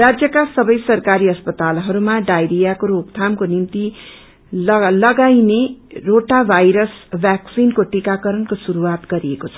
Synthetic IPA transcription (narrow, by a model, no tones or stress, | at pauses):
rad͡zjʌkasʌbʌjsʌrkaɾiʌspʌt̪alɦʌɾumaɖajɾijakoɾoɡt̪ʰamkonimt̪i | lʌɡajneroʈabʱajɾʌsbʱjaksinkoʈikakʌɾʌnkosuɾuwat̪ɡʌɾiekot͡sʰʌ̥